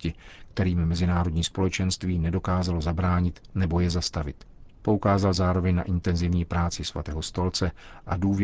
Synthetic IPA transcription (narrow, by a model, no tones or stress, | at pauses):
cɪkt̪ɛɾiːmːɛzɪnaːɾo̞dɲiːspo̞lɛt͡ʃɛnst̪viːnɛdo̞kaːzalo̞zabɾaːɲɪt̪nɛbo̞jɛzast̪avɪt̪ | po̞ukaːzalzaːɾo̞vɛɲna̰ʔɪnt̪ɛnzɪvɲiːpɾaːt͡sɪsva̰t̪ɛːɦo̞st̪o̞lt͡sɛʔaduːv